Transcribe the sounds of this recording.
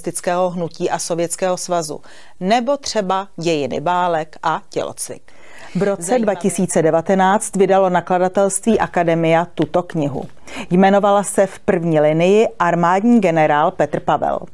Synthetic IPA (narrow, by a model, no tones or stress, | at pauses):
st̪ɪt͡skɛːɦo̞ɦnuciːʔaso̞vjɛt͡skɛːɦo̞svazṵ | nɛbo̞t̪r̝̥ɛbaɟɛjɪnɪ̰baːlɛkʔacɛ̰lo̰t͡svɪ̰k | vɾo̞t͡sɛdvacɪsiːt͡sɛdɛvat̪ɛnaːt͡st̪vɪdalo̞nakladat̪ɛlst̪viːʔakadɛmɪjat̪ut̪o̞kɲɪɦṵ | jmɛno̞valasɛfpr̩vɲiːlɪnɪjɪʔaɾmaːdɲiːɡɛnɛɾaːlpɛt̪r̩pavɛ̰l